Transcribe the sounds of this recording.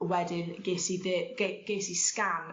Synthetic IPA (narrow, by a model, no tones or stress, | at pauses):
wɛdɪnɡ̥esiðəɡeɡ̥esiskan